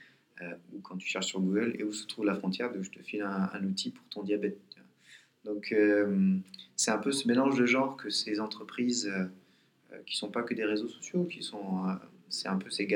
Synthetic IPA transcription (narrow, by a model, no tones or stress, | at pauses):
øukʰɑ̃t̪y̥ʃɛʁʃsyʁɡuɡəlḛusə̥t̪χuvlafχɔ̃t̪jɛʁd̪uʒət̪əfilɛ̃ɛ̰̃nut̪ʰipu̥ʁt̪ɔ̃d̪jabɛt̪̚a | d̪̥ɔ̃kʰømsɛt̪ɛ̃pøsəmelɑ̃ʒd̪əʒɑ̃ʁkʰəsezɑ̃t̪χəpχizø | ø̰kʲi̥sɔ̃pakəd̪eʁezosɔ̥sjokʲisɔ̃øsɛɛ̃pøseɡ